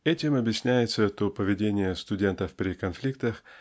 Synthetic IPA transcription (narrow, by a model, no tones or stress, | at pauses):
ɛtʲɪmɐbjɪsʲnʲæjɪt̪sət̪opəvʲɪdʲenʲɪjəst̪ʊdʲe̞nt̪əfpʲɾʲɪkɐnflʲik̚t̪əx